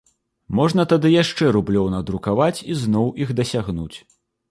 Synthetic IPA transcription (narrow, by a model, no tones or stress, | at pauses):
mɔʐn̪ɐt̪ad̪ɨjaʂt͡ʂɛɾublʲɔwnɐd̪ɾukavat͡sʲiznɔwiɣd̪ɐsʲaɣnut͡sʲ